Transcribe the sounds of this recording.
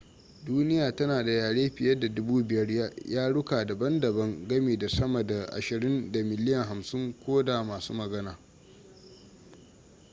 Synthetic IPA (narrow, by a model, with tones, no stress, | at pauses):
duː˦nɪ˦jaː˨tɐ˦naː˨da˨jaː˨ɽeː˦ɸɪ˨jɐ˦da˨dʊ˦buː˦bɪ˨jɐ˦rjaː˦jʔaː˦ɽʊ˦kaː˨dɐ˨bɐ˦ndɐ˨bɐ˦ŋɡɐ˦meː˨da˨sɐ˦mɐ˨da˨ʔa̰˨ʃɪ˨ɾɪ˦nda˨mɪ˨lɪ˦jɐ˨ŋɦa˨msɪ˦ŋkʷoː˦da˨maː˨sṵː˦mɐ˨ɡɐ˦naː˨